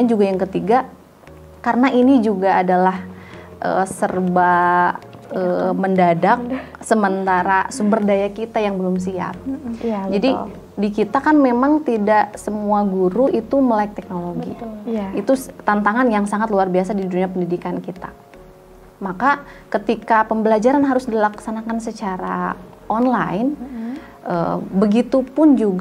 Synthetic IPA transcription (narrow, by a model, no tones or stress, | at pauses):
and͡ʒuɡajaŋkət̪iɡa | karənainid͡ʒuɡaːdalahʔə̰sərba | əməndadak̚səmənt̪aɾasumbərdajakit̪ajaŋbəlʊms̬ia̰p̚d͡ʒadi | dikit̪akanmemaŋt̪idaʔsəmuaɡuɾuʔit̪uməlaɪk̚t̪ɛk̚noloɡḭit̪ut̪ant̪aŋanjaŋsaŋat̪̚luarbiasadiduduɲapəndidikankit̪a̰ | makakət̪ikapəmbəlad͡ʒaɾanɦaɾʊsdilaksanakansət͡ʃaɾa̰ | ʔɔnla̰ɪn | ʔə̰bəɡit̪upʊnd͡ʒuɡ